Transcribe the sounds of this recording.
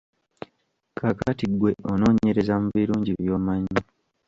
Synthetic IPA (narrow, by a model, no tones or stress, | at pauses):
kʰakatiɡwe̞ʔono̞ːɲe̞ɾe̞zamuβiɾuːɲɟiβjo̞ːmaɲi